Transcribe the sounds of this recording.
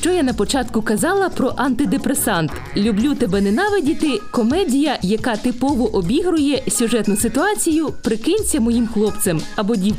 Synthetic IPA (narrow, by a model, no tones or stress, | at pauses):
ʃt͡ʃɔjanɐpɔt͡ʃɑt̪kʊkɐzɑlˠɐpɾɔʔɐnt̪ɪd̪epɾesɑnt̪ | lʲʊblʲut̪ɛbɛnenɑʋɪdʲit̪ɪkɔmɛdʲijɐjɐkɑt̪ɪpɔʋɔʔɔbʲiɦɾʊjɛsʲʊʒɛt̪nʊsɪt̪ʊɑt͡sʲijʊpɾɪkɪnʲt͡sʲɐmɔjimxlˠɔpt̪semɐbɔdʲi